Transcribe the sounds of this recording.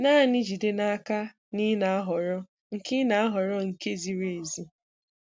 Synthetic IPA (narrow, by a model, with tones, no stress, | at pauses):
naː˦˨nɪ˦d͡ʒi˨de˦na˦a˦ka˦ | ni˦na˨˦ɦɔ˨ɾɔ˦ | ŋ̩˨ki˦na˨a˦ɦɔ˨ɾɔ˦ŋ̩˨ke˦zi˨ɾe˨zi˦